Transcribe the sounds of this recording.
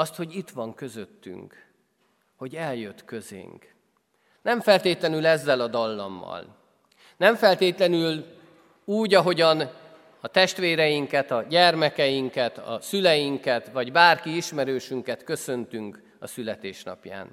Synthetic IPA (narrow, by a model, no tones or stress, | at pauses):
ɒst̪ho̞ɟit̪ʋɒŋkø̞zøt̪ːy̰ŋk | ho̞ɟɛljøt̪kø̞zḛːŋk | nɛɱfɛlt̪eːt̪lɛnylɛzːɛlɒd̪ɒlːɒ̰mːɒ̰l | nɛɱfɛlt̪eːt̪lɛnyl | uːɟɒɦo̞ɟɒn | ɒt̪ɛʃt̪ʋeːɾɛjiŋkɛt̪ɒɟɛrmɛkɛjiŋkɛt̪ɒ̰sylɛjiŋkɛt̪ʋɒɟbaːrkiiʃmɛɾøːʃyŋkɛt̪kø̞sø̞nt̪yŋk | ɒsylɛt̪eːʃnɒ̰pja̰ːn